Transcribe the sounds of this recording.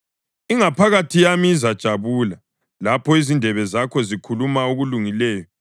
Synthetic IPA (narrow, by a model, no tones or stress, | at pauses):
iŋapʰaɣatʰijamiːzad̥ʒ̥ʱaβuːla | lapʰɔizindʱɛβɛzakʰɔzikʰulumauɣuluŋilɛːjɔ